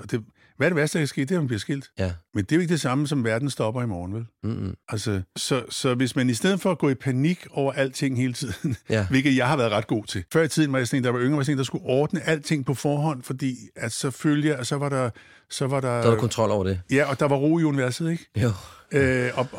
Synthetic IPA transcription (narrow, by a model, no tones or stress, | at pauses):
ɒ̽d̥e̝ | ʋæɐɾ̥e̝ʋæɐd̥d̥ɑkʰæsɡ̥e̝̰ːd̥e̝æmæmb̥liɐsɡ̥el̰d̥mend̥e̝oe̝ɡ̥d̥e̝sɑ̈məsɒ̽mʋæɐd̥n̩sd̥ɒ̽b̥ɐimɒːn̩ʋelʔælsəsɒ̽sɒ̽ʋe̝smænisd̥eð̰̩ˠfɒ̽æɡ̥ɔ̰ːipʰæniɡ̥ɒʊ̰ɐʔæl̰d̥t͡sʰe̝ŋ̰he̝ːlət͡sʰið̰ˠn̩ʋe̝lɡ̥ð̩ˠjɑ̈ɪɦɑʋæːɐðˠʁɑ̈d̥ɡ̥o̝̰ːt͡sʰe̝fɶɐ̰it͡sʰiðˠn̩ʋɑ̈jat͡sʰeŋd̥d̥ɑʋɑ̈øŋɐʋæɐsʰe̝ŋ̰nd̥ɑ̈sɡ̥uʔɒːd̥nəʔæl̰d̥t͡sʰe̝ŋ̰pʰɒ̽fɒːɦɒ̽n̰fɒ̽d̥ḭːæ̥sɒ̽føljəɑsɒ̽ʋɑ̈ɾɑ̈ | sɒ̽ʋɑ̈d̥ɑ̈kʰɒnt͡sʰʁɒ̽l̰ɒʊ̰ɐd̥ejæɒ̽d̥ɑ̈ʋɑ̈ʁo̝̰ːiuniʋæɐsð̩ˠeɡ̥ | øɒ̽